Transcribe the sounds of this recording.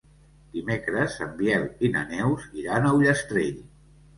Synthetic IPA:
d̪̥imekɾəzəmbiɛlinə̰nɛwziɾanəwʎəst̪ɾeʎ

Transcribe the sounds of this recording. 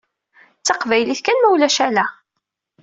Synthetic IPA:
t͡sːɑqvæjliθkænmæwlæʃælæ

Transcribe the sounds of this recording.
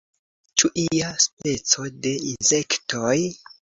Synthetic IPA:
t͡ʃuʔiaspe̞t͡so̞de̞inze̞ktʰoj

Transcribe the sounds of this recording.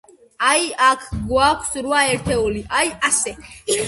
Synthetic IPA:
ajakʰɡwakʷʰsɾuaɛɾt̪ʰɛuliʔajasɛ

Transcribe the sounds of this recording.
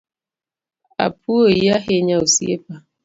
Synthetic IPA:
a̰puojjaɦeɲaosḭḛpa

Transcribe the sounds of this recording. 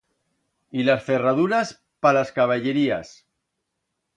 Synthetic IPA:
ilasferað̞uɾas | palaskaβ̞aʎeɾia̰s

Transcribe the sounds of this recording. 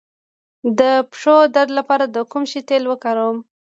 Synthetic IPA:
d̪əpʂod̪aɾd̪lapɑɾad̪əkumʃit̪elwəkɑɾawəm

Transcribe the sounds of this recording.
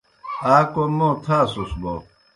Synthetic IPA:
aːkomot̪ʰaːsusbo̰

